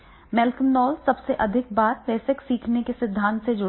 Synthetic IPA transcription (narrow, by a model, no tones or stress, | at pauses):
mɛlkəmnɔːlsɐbseʔɐd̪ʱɪk̚baːɾʋɛːseksiːkʰnekesɪd̪ʱːãːnt̪sed͡ʒʊ